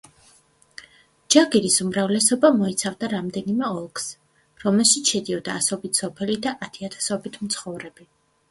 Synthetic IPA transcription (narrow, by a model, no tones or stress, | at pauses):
d͡ʒaɡiɾisumɾavlɛsɔbamɔit̪sʰavd̪aɾamd̪ɛnimɛɔlˠks | ɾɔmɛlˠʃit̪sʰʃɛd̪iɔd̪aːsɔbit̪ʰsɔpʰɛlid̪aʔat̪ʰiat̪ʰḁsɔbit̪ʰm̩t̪sʰχɔvɾɛb̥i